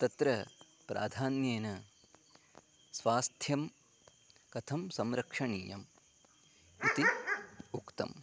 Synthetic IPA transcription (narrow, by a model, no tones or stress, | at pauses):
t̪ɐt̪ɾɐ | pɾʔa̰ːd̪ʱaːnjeːnɐ | sʋaːst̪ʰjɐm | kɐt̪ʰɐmsɐmɾɐkʂɐɳiːjɐm | ut̪iukt̪ɐ̰m